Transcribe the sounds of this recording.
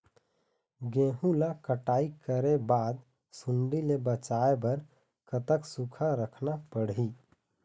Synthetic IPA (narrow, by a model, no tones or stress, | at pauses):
ɡẽːɦũlakəʈaːikəɾebaːd̪ | suɳɖilebət͡ʃaebəɾ | kət̪əksukʰaɾəkʰnapəɽɦi